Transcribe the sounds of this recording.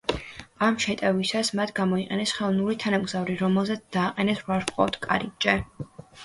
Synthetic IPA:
amʃɛt̪ʼɛvisasmat̪ʰɡamɔiqʼɛnɛsχɛlˠnulit̪ʰanamɡzavɾiɾɔmɛlˠzɛt̪sd̪̥aːqʼɛnɛsɾwaɾqʼɔ̰ft̪ʰkʼa̰ɾit͡ʃʼɛ

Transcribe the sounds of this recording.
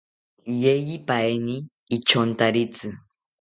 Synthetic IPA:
jejipajniː | t͡ʃont̪aɾit͡sɨ

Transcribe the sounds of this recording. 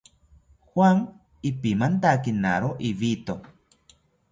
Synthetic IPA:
xwaŋ | ipimant̪akinaɾoʔiβit̪o

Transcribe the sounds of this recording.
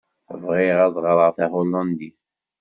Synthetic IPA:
vʁɪʁæðˤʁəɾˤəʁθæholːɑnd̪iθ

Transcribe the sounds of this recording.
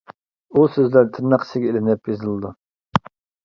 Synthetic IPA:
usøzlæɾt̪ʰɨɾnɑqʰə̥sɪɡʲɛelɪnɪpizɨlˠɨd̪u

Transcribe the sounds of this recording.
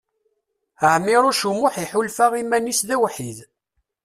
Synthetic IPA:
əʕmːɪɾˤʊʃumʊħiħulfaʁimænisðæwħið

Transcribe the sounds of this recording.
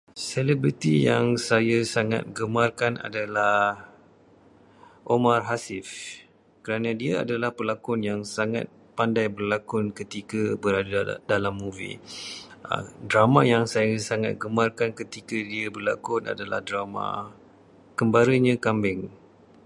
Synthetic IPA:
selɛbɾit̪ijaŋsajasaŋa̰t̪̚ɡəmarkana̰dalahh | ʔomarɦasɪf | kəɾanãdiaa̰dalahpəlakʊnjaŋsaŋa̰t̪̚pandajbərlakʊnkət̪ikabəɾadadalamːuvḭ | dɾamãjaŋsajasaŋa̰t̪̚ɡəmarkankət̪ikadiabərlakʊna̰dala̰hdɾamã̰ | kəmbaɾəɲãkambɪŋ

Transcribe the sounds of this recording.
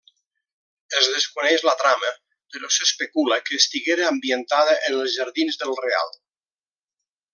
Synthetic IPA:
ezðəskunɛʒlat̪ɾamə | peɾɔsəspekuləkəːst̪iɣeɾeambiənt̪aðəʔenəlˠzʒəɾðinzðəlˠrea̰lˠ

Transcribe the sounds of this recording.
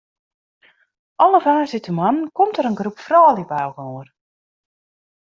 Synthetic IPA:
ʔɔlˠəvaːzɪtəmankɔmtəɾənɡrupfrɔːlˠipawɣor

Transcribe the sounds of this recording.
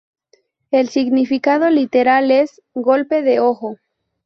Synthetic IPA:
e̞lsiɣnifikað̞o̞lit̪eɾale̞z | ɡo̞lpe̞ðeo̞xo̞

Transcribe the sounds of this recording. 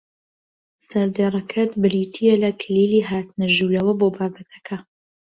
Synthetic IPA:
sɐɾd̪eːrˤɐkʰɐt̪bɨliːt̪ʰijelɐkʰɨliːliːɦaːt̪nɐʒuːɾɐwɐboːbaːbɐt̪ʰɐ̥kʰɐ

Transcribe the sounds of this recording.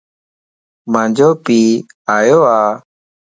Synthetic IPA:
mãːɲd͡ʒoːpiː | aːjoːaː

